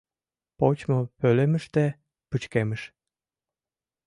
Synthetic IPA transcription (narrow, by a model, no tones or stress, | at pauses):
pot͡ɕmopølemə̆ʃt̪e | pɨt͡ɕkeməʃ